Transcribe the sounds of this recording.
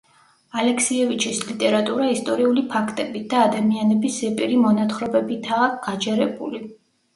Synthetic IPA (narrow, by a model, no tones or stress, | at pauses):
alɛkʰsiɛvit͡ʃʰislit̪ʼɛɾat̪ʼuɾaist̪ʼɔɾiulipʰakʰt̪ʼɛbit̪̚d̪̥aːd̪amianɛbiszɛpʼiɾimɔnat̪χɾɔbɛbit̪ʰaɡ̥ad͡ʒɛɾɛbṵli